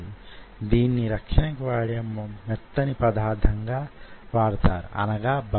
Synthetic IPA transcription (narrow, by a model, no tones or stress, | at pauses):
id̪iːnːiɾɐkʂɐnɐkiʋaːɽiɐmːɐmɛt̪ːɐnipɐd̪ʱaːd̪ʱɐŋɡaːʋaːɽt̪aːɾuɐ̰nɐɡaːbʱɐ